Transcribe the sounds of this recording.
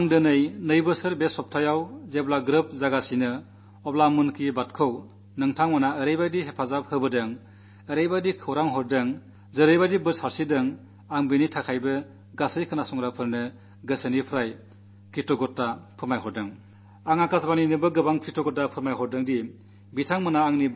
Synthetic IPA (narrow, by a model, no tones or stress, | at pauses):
aŋdɯnɯjnɯjbɯsɯɾbesɔp̚tʰajawzeblaɡɾɯp̚zaɡasinɯ | ɔp̚lamunkibatkʰɯw | nɯŋtʰaŋmanaəɾejbadiɦepʰazap̚hɯbɯdɯŋ | əɾejbadikʰɯwɾaŋɦɔɾdɯŋ | zɯɾɯjbadibɯɾsaɾsidɯŋ | aŋbɯnitʰakʰajbɯ | ɡasɯjkʰɯnasɔŋɾapʰɯɾnɯ | ɡɯsənipʰɾaj | kʰɾitɔɡɔt̚dapʰɯɾmajɦɔɾdɯŋ | aŋakasbaninɯbɯɡɯbaŋkʰɾitɔɡɔt̚dapʰɯɾmajɦɔɾdɯŋdi | bitʰaŋmɯnaːŋni